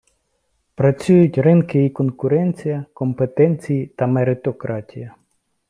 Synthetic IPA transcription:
pɾɐt͡sʲujʊtʲrɪnkɪikɔnkʊɾɛnʲt͡sʲijɐkɔmpet̪ɛnʲt͡sʲijit̪ɐmeɾɪt̪ɔkɾɑtʲijɐ

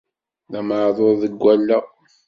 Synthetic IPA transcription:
læməʕðˤoɾðəɡʷːælːæ

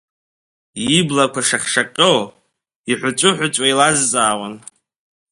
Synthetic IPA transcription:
iblakʷʰaʂaχʲʂaqʲʼow | iħʷʊt͡ʃʷʼʊħʷʊt͡ʃʷʼailazt͡sʼaːwʷan

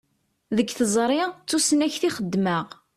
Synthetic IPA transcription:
ðəɡθəzˤɾˤit͡sːusənæçθiχəd̪ːməʁ

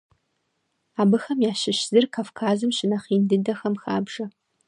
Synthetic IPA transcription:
aːbɨxɐmjaːʃɪɕz̥ɨrkʰaːfkʰaːzɨmɕɪnɐχiːndɨdɐxɐmxaːbʐ̥ɐ

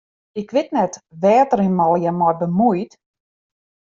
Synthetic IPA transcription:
ɪkʋɪtnɛtʋɛːtərinmɔlˠjamɔrbəmujt

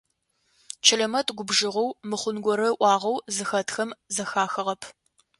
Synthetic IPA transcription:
t͡ʃʰɐɮɐmɐtʰʼɡʷʊbʒɨʁɔwmɨχʷʊnɡʷɔɾɐʔʷɑːʁɐwzɨxɐtʰxɐmzɐxaːxɨʁɐpʰ

